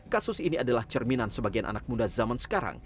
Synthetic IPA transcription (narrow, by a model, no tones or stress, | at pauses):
kasʊsiniadalaht͡ʃərminansəbaɡianʔa̰nak̚mundazamansə̥kaɾa̰ŋ